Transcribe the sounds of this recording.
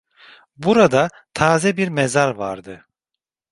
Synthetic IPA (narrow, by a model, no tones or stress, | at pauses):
buɾad̪a | t̪ʰaːzɛbiɾmɛzaɾva̰ɾd̪ɯ